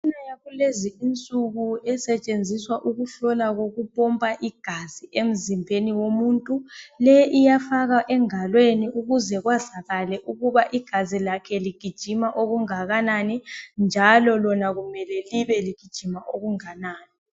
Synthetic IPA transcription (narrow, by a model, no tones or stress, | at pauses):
inajaɣuleziint͡sʼuɣuɛsɛt͡ʃʼend͡zʱiswaʔuɣuɬɔlaɣoɣupʼɔmpʼaʔiɡ̥ʱaz̥iʔem̩zimbʱeniwomuːntʼulɛʔijafaɣaʔɛŋalweniuɣuzɛɣwazaɣalɛʔuɣuβaʔiɡ̥ʱazilakʰɛliɡ̥ʱid̥ʒ̥ʱimaʔoɣuŋaɣananind͡ʒʱalɔlɔnaɣumɛlɛliβɛliɡ̥ʱid̥ʒ̥ʱimaʔoɣuŋanaːni